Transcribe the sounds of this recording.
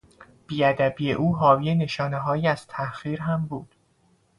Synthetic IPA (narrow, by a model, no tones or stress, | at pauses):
b̥iːæd̪æbiːjeʔuːɦɒːviːene̞ʃɒːne̞ɦɒːjiːæz̥t̪ʰæxiːɾɦæmbuːd̪̥